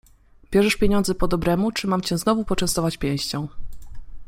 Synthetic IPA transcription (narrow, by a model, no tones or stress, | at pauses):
bʲjɛʐɛʂpʲjeɲɔ̃nd̪zɛpɔd̪ɔbɾɛmut͡ʂɘmamt͡ɕɛ̃znɔvupɔt͡ʂɛ̃st̪ɔvat͡ɕpʲjɛ̃w̃ɕt͡ɕɔ̃w̃